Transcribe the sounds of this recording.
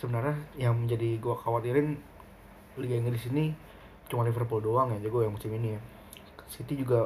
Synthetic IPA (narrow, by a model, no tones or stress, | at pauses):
səbənərɲajaŋməɲd͡ʒadiɡuakawat̪iɾɪn | liɡaiŋɾisini | t͡ʃumalifərpuldoaŋjad͡ʒaɡuajaŋmusɪminija | sit̪id͡ʒuɡa